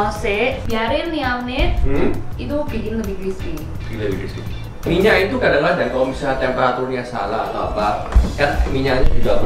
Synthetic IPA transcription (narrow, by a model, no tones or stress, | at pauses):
sebiaɾɪnniawnɪt̪̚it̪ubiɡind̪əbiɡiski | ɡld̪əbikiski | miɲait̪ukadaŋlaɦdankalomisat̪ɛmpeɾat̪urɲasa̰laːt̪awapaɛtmiɲaɲd͡ʒuɡa